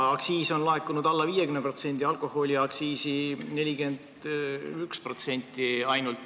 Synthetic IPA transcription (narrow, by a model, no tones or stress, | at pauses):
ɑksiːso̞nlɑekːˑunud̪ɑlːɑviːjekymnepro̞t̪se̞nʲd̪̥ʲiɑlkˑo̞ho̞lʲiɑksiːsine̞lʲiɡe̞nd̪ | ykspro̞t̪se̞nʲt̪ːˑiɑjnult̪